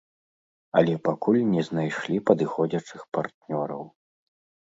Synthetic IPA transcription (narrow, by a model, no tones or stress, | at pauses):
ɐlʲɛpakulʲnʲɛznajʂlʲipɐd̪ɨxɔd͡zʲɐt͡ʂɨxpart̪nʲɔɾɐ̰w